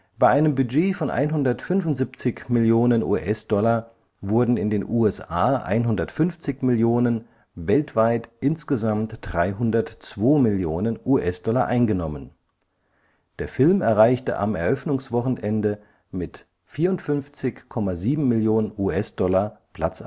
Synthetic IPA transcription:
b̥aɪʔaɪnəmbyd͡ʒeːfɔnʔa̰ɪnɦʊndɐtfʏnvʊntz̥ip̚t͡sɪçmɪljoːnənṵːʔɛsd̥ɔlɐ | vʊɐdn̩ɪndeːnʔuːɛsaːʔa̰ɪnɦʊndɐtfʏnft͡sɪçmɪljoːnən | vɛltv̥aɪtʔɪnsɡ̥əzamtd̥ʁaɪɦʊndɐtt͡sv̥oːmɪljoːnənʔuːʔɛsd̥ɔlaʔaɪnɡənɔmən | d̥eːɐfɪlmɛɐʁ̞aɪçtə̰ʔa̰mɛɐʔœfnʊŋsv̥ɔχn̩ʔɛndə | mɪt | fiːɐʊntfʏnft͡sɪçkʰɔmaziːbm̩mɪljoːnənʔuːɛsd̥ɔlapʰl̥at͡s

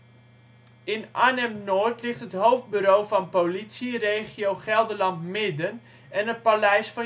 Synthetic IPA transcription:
ɪnʔanɛmnoːrtlɪχtɦətɦowfd̚byɾowvɑnpowlitsirejχiowχɛlˠdəlɑntmɪdən | ɛnət̚palɛjsfɑ

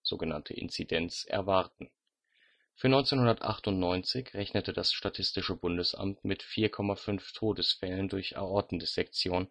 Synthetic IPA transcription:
z̥o̰ːɡəna̰ntʰə̰ʔɪ̰nt͡sidɛnt͡sʔɛ̰ɐvaɐtn̩ | fyːɐnɔʏnt͡seːnhʊndɐtʔa̰χtʊntnɔʏnt͡sɪçʁɛçnətədasʃtatʰɪstɪʃəbʊndəsʔa̰mtmɪtfiːɐkʰɔmafʏnftʰoːdəsfɛləndʊɐçʔɛ̰ɐʔɔɐdn̩dəz̥ɛk̚t͡sjoːn

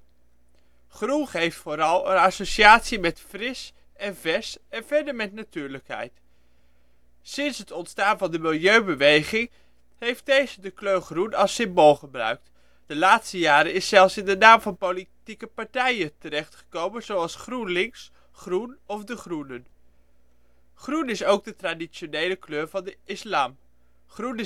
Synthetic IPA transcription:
χrunχejftfoːɾɑlˠənasoʃiaːtsimɛtfrɪs | ɛnvɛɹsɛnvɛɹdəɹmɛtnatyːɹləkɦɛ̰jt | sɪnsɦətɔntstaːnvɑndəmɪlˠjøɥbəʋejχɪŋ | ɦejft̚dejzədəkløχrunɑlˠsɪmbolˠχəbrœ̰ɥk̚t | d̥əlaːtstəjaːɾənɪsːɛlˠfsɪndənaːmvɑnpolitikəpɑɹtɛjətəɾɛχtχə̥kowmənzowɑlˠsχrunlɪŋs | χrunɔfdəχrunən | χrunɪsowɡ̚dətradit͡ʃonejləkløːɹvɑndəʔɪslaːm | χrun

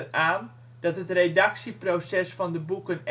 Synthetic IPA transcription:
aːn | d̥ɑtɦətredɑksiprosɛsfɑndəbukən

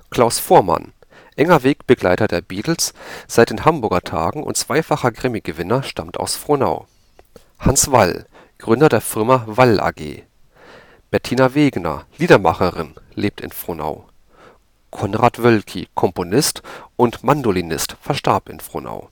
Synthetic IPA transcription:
kʰl̥aʊsfoːɐma̰n | ʔɛŋɐveːkb̥əɡla̰ɪtɐdeːɐbiːtl̩sz̥aɪt̚d̥eːnhambʊɐɡɐtʰa̰ːɡŋ̩ʊ̰ntt͡sv̥aɪfaχɐɡʁɪmiɡəvɪnɐʃtʰa̰mtʰa̰ʊsfʁ̥ona̰ʊ | hansv̥al | ɡ̥ʁʏndɐdeːɐfɪɐmavalʔa̰ːɡḛː | b̥ɛɐtʰiːnaveːɡnɐ̰liːdɐma̰χəʁɪnleːp̚tʰɪ̰nfʁ̥ona̰ʊ | kʰɔnʁaːtv̥œlkʰikʰɔmponɪstʔʊntmandolinɪstfɛɐʃtaɐpɪ̰nfʁ̥o̰na̰ʊ

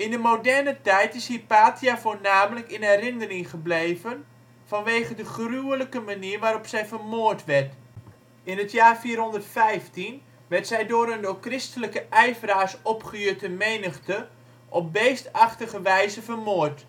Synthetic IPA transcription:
ɪndəmowdɛrnətɛjtɪshiːpaːtiafoːnaːmələkɪnɛɾɪnərɪŋχəblejvən | fɑnʋeːχədəχryələkəmaniːrʋaːɾɔpsɛjvərmʊːrtʋɛrt | ɪnɦətʰjaːrfiːrɦɔndərtfɛjftin | ʋɛrtsɛjdʊəɾəndokrɪstələkəʔɛjvəraːsɔpχəøtəmejnəχtə | ʔɔp̚bejstɑχtəɣəʋɛjzəfərmʊːrt

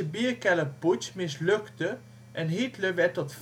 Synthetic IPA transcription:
əbiːəɹkɛləputsmɪsløktə | ʔɛnɦitləʋɛtɔtf

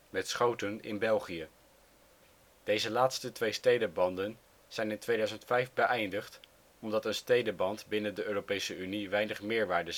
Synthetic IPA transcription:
mɛtsχowtənɪ̰nbɛlˠχijə | d̥ejzəlaːtstətʋejstejdəbɑndən | z̥ɛjnɪntʋejdœɥzəntfɛjvbəʔɛjndəχt | ɔmdɑtənstejdəbɑntbɪnəndəʔøːrowpejsəyniʋɛjnəχmɪːɹʋaːɹdə

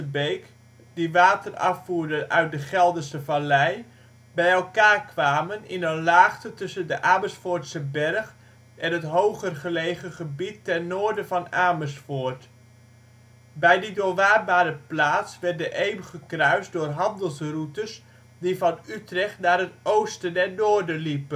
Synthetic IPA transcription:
əbejk | diʋaːtərɑ̰fuːɹdənʔœ̰ɥt̚dəχɛlˠdəstəvalɛj | bɛjɛlˠkaːrkʰʋaːmənɪnənlaːχtətɵsəndəʔaːməsfʊːɹtsəbɛrχ | ʔɛnətɦowχərχəlejχəχəbitːɛrnoːɹdəvɑnaːməsfoːɹt | bɛjdidʊːʋaːrbaːɾəplaːtsʋɛrt̚dəʔejməχəkrœɥsdʊːrɦɑndəlˠsrutəs | divɑnytrɛχtnaːɾɦətʔowstədɛrnoːrdəlipə

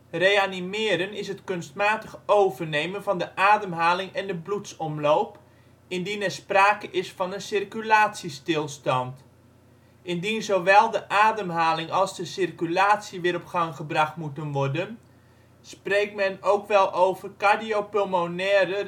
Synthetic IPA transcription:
rejanimɪːɾənɪsɦətkɵnstmaːtəχowvərnejmənvɑndəʔaːdəmɦaːlɪŋɛndəblutsɔmlowp | ɪndinɛrspraːkəʔɪsfɑnəsɪrkylaːtsistɪlˠstɑnt | ʔɪndinzowʋɛlˠdəʔaːdəmɦaːlɪŋɑlˠzdəsɪrkylaːtsiʋɪːɾɔpχɑŋχəbrɑχtmutənʋɔrdən | sprejk̚tmɛnowkʋɛlˠowvərkadiowpølmonɛːɾə

